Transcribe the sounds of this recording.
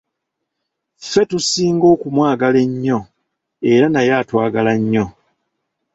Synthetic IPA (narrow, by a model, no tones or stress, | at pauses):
fe̞tusiːŋɡo̞ːkumwaːɡale̞ɲːo̞ | e̞ɾanajaːtwaːɡalaɲːo̞